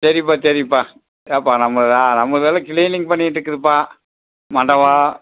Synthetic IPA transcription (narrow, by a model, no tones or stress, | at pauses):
sɐɾɪp̬ːaːt͡ʃɐɾɪpːaː | eːpːaːnɐmːɐɭɯðãːnɐmɐɭɯʋeːlɐkɪliːnɪŋɡ̚pɐɳːɪʈːɾɯkːɯðɯpːaː | mɐɳɖɐʋaː